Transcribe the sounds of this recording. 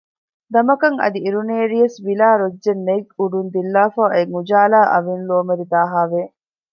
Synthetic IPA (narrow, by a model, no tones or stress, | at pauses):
d̪ɐmɐkɐŋɐ̰d̪iiɾuneːɾijɐsʋilaːɾod͡ʒd͡ʒenːeɡuɖund̪ilːaːfaːʔeŋud͡ʒaːlaːʔɐʋinluɐmɐɾid̪aːɦaːʋeː